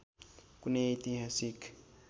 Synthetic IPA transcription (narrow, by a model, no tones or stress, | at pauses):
kʼuneit̪iɦasik